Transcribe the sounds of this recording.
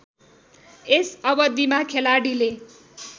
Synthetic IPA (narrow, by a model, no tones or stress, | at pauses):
esʌbʌd̪imakʰelaɽile